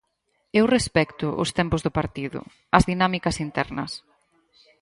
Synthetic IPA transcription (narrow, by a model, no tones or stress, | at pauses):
ewrespɛkt̪ʊʔʊ̰st̪ɛmpʊzðʊpaɾt̪iðʊ̰ | ɐzðinamikɐsint̪ɛɾnɐ̰s